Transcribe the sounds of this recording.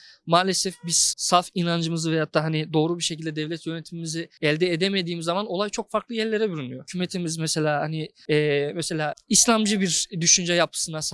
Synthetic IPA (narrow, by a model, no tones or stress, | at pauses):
maːlʲesɛfbiz̥salˠfinand͡ʒɯmɯzɯvejat̪ʰːaːɦanid̪o̞ːɾubiɾʃecʰilʲd̪ɛd̪ɛvlʲɛt̪jø̞ne̞t̪ʰimimiziɛlʲd̪ɛːd̪eme̞d̪iːmizːamano̞lˠajt͡ʃʰo̞k̚faɾklˠɯjɛɾlʲe̞ɾɛbyɾynyjocʰymet̪ʰimizmɛse̞lʲaːhani | ɛːmɛse̞lʲaːislʲamd͡ʒɯbiɾd̪yʃynd͡ʒɛjap̚ʰɯ̥sɯnas